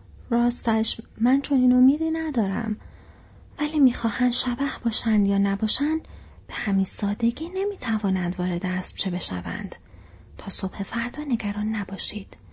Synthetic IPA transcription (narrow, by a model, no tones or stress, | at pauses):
ɾɒːst̪æʃmænt͡ʃʰo̞niːno̞miːd̪iːnæd̪ɒːɾæ̰m | væliːmiːxɒːhænd̪ʃæbæhb̥ɒːʃænd̪jɒːnæbɒːʃænd̪̥b̥e̞hæminsɒːd̪e̞ɟiːne̞miːt̪ʰævɒːnænd̪vɒːɾe̞d̪eæsb̥̚t͡ʃʰebe̞ʃæ̰væ̰nd̪̥ | t̪ʰɒːso̞bhe̞fæɾd̪ɒːne̞ɡæɾɒːnːæbɒːʃiːd̪̥